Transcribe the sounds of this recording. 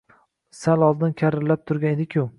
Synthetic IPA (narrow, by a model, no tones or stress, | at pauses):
salɒlˠd̪ɪnkʲʰaɾɪɾlap̚t̪ʰʊɾɡʲaned̪ɪkʲʰʊ